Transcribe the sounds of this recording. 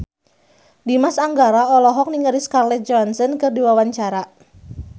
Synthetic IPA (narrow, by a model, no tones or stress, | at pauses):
dimasaŋɡaɾaɔlɔɦɔk̚niŋəɾiskarlɛt̪̚d͡ʒɔansɔnkɨrdiwawaɲt͡ʃaɾa